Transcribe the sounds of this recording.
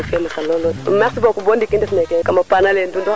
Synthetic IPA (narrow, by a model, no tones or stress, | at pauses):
fɛmasalolodmɛsibokubondikindɛfnɛkɛkamapanalendundɔ